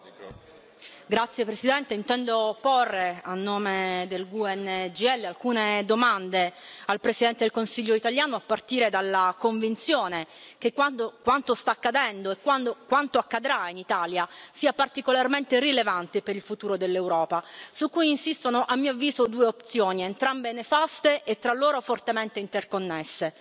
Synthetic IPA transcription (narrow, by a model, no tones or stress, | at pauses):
ɡɾat̪sːjepɾesid̪ɛnt̪eint̪ɛnd̪oporːeanːoːmed̪elɡuɛnːd͡ʒiɛlːealkuːned̪omand̪ealpɾesid̪ɛnt̪ed̪elkonsiʎːoit̪aljaːnoapːart̪iːɾed̪alːakoɱvint̪sjoːnekekwakwant̪ost̪akːad̪ɛnd̪oekːwand̪okwant̪oakːad̪ɾainit̪aːljasiːapart̪ikolarment̪erilevant̪epeɾilfut̪uːɾod̪elːewɾɔːpasukːujinsist̪onoʔamːiːoavːiːzod̪uːeop̚t̪sjoːnient̪ɾambenefast̪eʔet̪ːɾalːoːɾofort̪ement̪eint̪erkonːesːe